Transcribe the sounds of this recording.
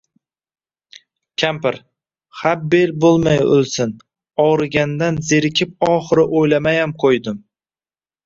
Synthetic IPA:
kʲʰampɪɾ | hab̚ːelbolˠmajʊ̰lˠsɪn | ɒwɾɪɡʲand̪anzeɾɪkʲʰɪp̚ɒχɨɾɪʔojlamajamqʰojd̪ɪm

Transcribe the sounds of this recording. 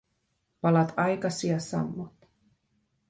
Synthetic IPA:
pɑlɑt̪ɑjkɑsiɑsɑ̰mːot̪

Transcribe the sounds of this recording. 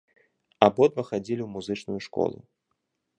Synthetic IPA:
abɔd̪vɐxad͡zʲilʲiwmuzɨt͡ʂnujuʂkɔ̰lˠṵ

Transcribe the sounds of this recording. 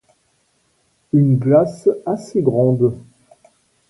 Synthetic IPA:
ynɡlasaseɡʁɑ̃d̪

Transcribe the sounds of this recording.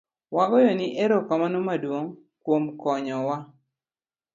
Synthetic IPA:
waɡɔjɔniʔeɾokamanomadwoŋ | kwomkɔɲɔwa

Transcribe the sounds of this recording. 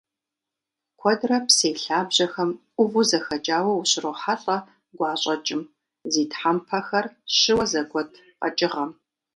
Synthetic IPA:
kʷʰɔdrɐpseːɬaːbʑɐxɐmʔʷʊvuzɐxɐt͡ʃʼaːwɐwuɕɪroħaɬʼɐ | ɡʷɑːɕʼɐt͡ʃʼɪm | ziːtħampʰɐxɐrɕɪwɐzɐɡʷɔtʰ | qɐ̰t͡ʃʼɪʁɐm

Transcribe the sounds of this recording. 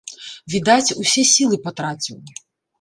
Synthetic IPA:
vʲid̪at͡sʲusʲɛsʲilˠɨpɔt̪ɾat͡sʲuj

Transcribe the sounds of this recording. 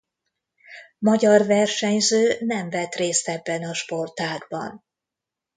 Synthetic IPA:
mɒɟɒrvɛrʃɛɲzøːnɛmvɛt̪reːst̪ɛbːɛnɒʃpo̞rt̪aːɡbɒ̰n

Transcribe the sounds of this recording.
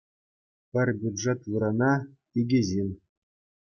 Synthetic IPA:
pʲɘ̆rʲbʲud̪ʐet̪ʋɯɾɑnɑ | iɡʲeʑinʲ

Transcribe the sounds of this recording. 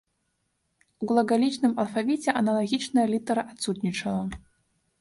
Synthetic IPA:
uɡlˠɐɡalʲit͡ʂnɨmɐlˠfavʲit͡sʲɛʔɐnɐlˠaɣʲit͡ʂnɐjɐlʲit̪ɐɾɐʔat̪sut̪nʲit͡ʂɐlˠɐ

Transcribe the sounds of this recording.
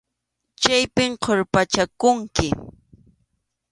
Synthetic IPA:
t͡ʃajpɪmqʰoɾpat͡ʃakʊŋkɪ

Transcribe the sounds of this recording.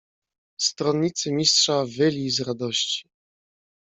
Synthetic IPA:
st̪ɾɔnːit̪sɘmʲistʂavɘlʲizɾad̪ɔɕt͡ɕi̥

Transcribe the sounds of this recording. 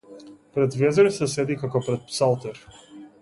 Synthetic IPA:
pɾɛd̪vɛzɛɾisɛsɛd̪ikakɔpɾɛt̪̚psalˠt̪ɛɾ

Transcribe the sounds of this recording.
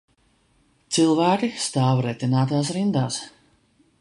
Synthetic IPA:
t̪silˠvæːkist̪aːvɾɛt̪ʲinaːt̪̬aːsɾind̪aːs

